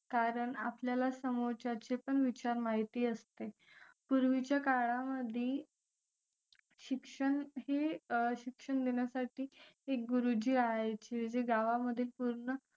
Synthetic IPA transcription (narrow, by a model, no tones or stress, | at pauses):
kaɾəɳapljalasəmoɾt͡ɕat͡sepəɳʋit͡ɕaɾmaɦit̪iːəst̪e | puɾʋit͡ɕjakaɭaməd̪ʱiː | ɕikʂəɳɦeɕikʂəɳd̪eɳjasaʈiːek̚ɡuɾud͡ʑiːɾaɦajt͡ɕed͡ʑeɡaʋaməd̪ʱiːlpuɾɳə